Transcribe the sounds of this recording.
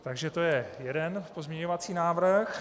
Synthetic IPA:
t̪aɡʒɛt̪o̞jɛjɛdɛnpo̞zmɲɛɲo̞vat͡siːnaːvrx

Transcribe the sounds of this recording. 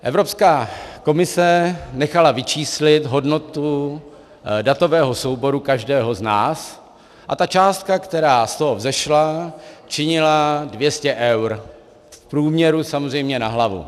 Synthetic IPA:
ʔɛvɾo̞pskaːko̞mɪsɛnɛxalavɪt͡ʃiːslɪt̪ɦo̞dno̞t̪u | dat̪o̞vɛːɦo̞so̞wbo̞ɾukaʒdɛːɦo̞znaːs | ʔa̰t̪at͡ʃaːst̪̚kakt̪ɛɾaːst̪oɦovzɛʃlat͡ʃɪɲɪladvjɛscɛʔɛwɾ | fpɾuːmɲɛɾusamozrɛjmɲɛnaɦlavṵ

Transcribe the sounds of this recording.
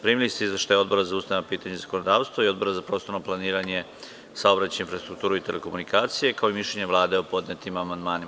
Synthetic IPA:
pɾiːmilist̪eizeʃt̪ajo̞d̪bo̞ɾazaust̪aemapiːt̪aɲezako̞nod̪aːʋst̪ʋoio̞d̪̚bo̞ɾazapɾo̞ːst̪o̞ɾnoplˠaniːɾaɲe̞ | saobɾat͡ɕaeinfɾast̪ɾukt̪uːɾuit̪e̞le̞ko̞munikaːt̪sije̞kaoimiʃʎeɲeʋlˠaːd̪eopo̞d̪ɲet̪imamand̪maːni

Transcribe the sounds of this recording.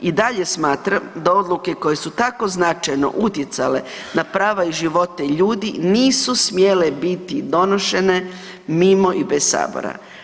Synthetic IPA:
id̪aʎe̞smaːt̪ɾamd̪ao̞d̪luke̞ko̞je̞sut̪ako̞znat͡ʃajno̞̰ʔut̪je̞t̪sale̞ | napɾaːʋaiʒiʋo̞t̪eiʎuːd̪iniːsusmjele̞bit̪id̪o̞no̞ʃe̞ne̞ | mimo̞ʔibessa̰ːbo̰ɾa̰

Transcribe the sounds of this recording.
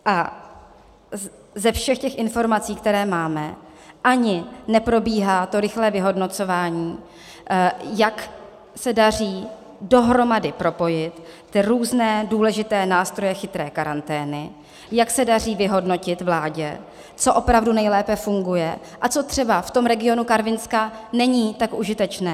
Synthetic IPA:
ʔa | zɛfʃɛxcɛxʔɪnfo̞ɾmat͡siːkt̪ɛɾɛːmaːmɛ | ʔaɲɪnɛpɾo̞biːɦaːt̪o̞ɾɪxlɛːvɪɦo̞dnot͡so̞vaːɲiː | jak | sɛdariː | do̞ɦɾo̞madɪpɾo̞po̞jɪt̪ː | ɪɾuːznɛːduːlɛʒɪt̪ɛːnaːst̪ɾo̞jɛxɪt̪ɾɛːkaɾant̪ɛːnɪ | jaksɛdar̝iːvɪɦo̞dno̞cɪt̪vlaːɟɛ̰ | t͡soʔo̞pɾavdunɛjlɛːpɛfuŋɡujɛ̰ | ʔat͡so̞t̪r̥ɛbaft̪o̞mɾɛɡɪo̞nukaɾvɪnskanɛɲiːt̪akʔuʒɪt̪ɛt͡ʃnɛː

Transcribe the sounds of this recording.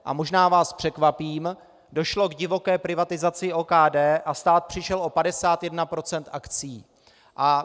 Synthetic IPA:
ʔa̰mo̞ʒnaːvaːspr̝̥ɛkvapiːm | do̞ʃlo̞ɡɟɪvo̞kɛːpɾɪvat̪ɪzat͡sɪʔoːkaːdɛːʔast̪aːt̪̚pr̝̥ɪʃɛlo̞padɛsaːt̪jɛdnapɾo̞t͡sɛnt̪ʔakt͡siː | ʔa

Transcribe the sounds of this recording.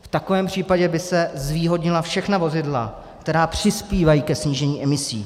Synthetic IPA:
ft̪ako̞vɛːmpr̝̥iːpaɟɛbɪsɛzviːɦo̞dɲɪlafʃɛxnavo̞zɪdla̰ | kt̪ɛɾaːpr̥ɪspiːvajiːkɛsɲiːʒɛɲiːɛmɪsḭː

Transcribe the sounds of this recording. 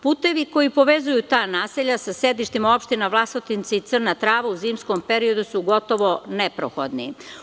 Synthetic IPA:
puːt̪e̞ʋiko̞jipo̞ʋezujut̪aːnaːseʎasased̪iʃt̪imao̞pʃt̪inaʋlˠasot̪int̪seit̪sr̩nat̪ɾaːʋauziːmskompeɾio̞d̪usuɡo̞t̪o̞ʋo̞nepɾo̰xo̰d̪nḭ

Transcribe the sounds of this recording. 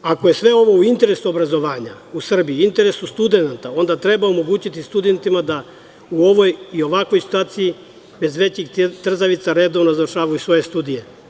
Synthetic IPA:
ako̞je̞sʋe̞o̞ʋo̞uint̪e̞ɾesuo̞bɾazo̞ʋaːɲa | usr̩bijuint̪e̞ɾe̞sust̪ud̪e̞nat̪ao̞nd̪at̪ɾe̞baomo̞ɡuːt͡ɕit̪ist̪ud̪e̞nt̪imad̪a | uo̞ʋo̞jio̞ʋako̞jsi̥t̪uaːt̪siji | be̞zʋe̞t͡ɕiɡt̪r̩zaʋit̪saɾe̞d̪o̞ʋnozavrʃaːʋajusʋo̞jest̪ud̪ije̞

